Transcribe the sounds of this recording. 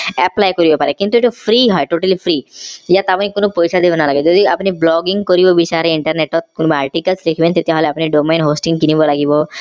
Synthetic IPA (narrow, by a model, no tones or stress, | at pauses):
ɛplajkɔɾibɔpaɾekint̪ueʈupʰɾiɦɔeʈoʈəlipʰɾijat̪apɔnikonopojsʰad̪ebɔnalaɡid͡ʒɔd̪iapniblɔɡiŋkɔɾibɔbisaɾeiɳʈəɾneʈɔt̪̚kunbaaɾʈikəlsɾekʰibent̪et̪jaɦɔleapniɖomenɦosʈiŋkinibɔlaɡibɔ